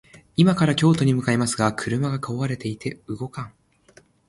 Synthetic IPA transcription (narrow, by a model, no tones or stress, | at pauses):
imakaɾakʲo̞ːt̪o̞ɲ̟imɯ̟kaemasɨɡakʰɯ̟ɾɯ̟maɡakaoβaɾe̞t̪e̞it̪e̞ɯ̟ɡo̞kãŋ